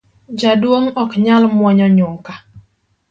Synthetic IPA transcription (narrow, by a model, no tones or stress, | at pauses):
d͡ʒadwoŋɔkɲalmwɔɲɔɲʊŋka